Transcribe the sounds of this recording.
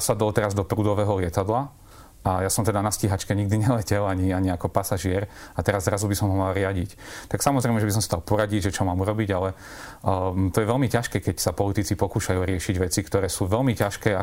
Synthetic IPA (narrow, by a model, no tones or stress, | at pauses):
sad̪ɔlt̪ɛɾazd̪ɔpɾuːd̪ɔʋɛːɦɔlɪɛt̪ad̪la | ʔajasɔmt̪ɛd̪anasciɦat͡ʃkɛɲiɡ̚d̪iɲɛlɛcɛlaɲiaɲiakɔpasaʒɪɛɾat̪ɛɾazzɾazubisɔmɦɔmalɾɪaɟḭct̪aksamɔzɾɛɪmɛʒɛbis̬ɔmsad̪alˠpɔɾaɟiɟʒɛt͡ʃɔmaːmuɾɔbiɟalɛ | t̪ɔjɛʋɛlmicaʃkɛːkɛcsapɔlit̪it͡sipɔkuːʃajuːɾɪɛʃiɟʋɛt͡sikt̪ɔɾɛːsuːʋɛlmicaʃkɛːa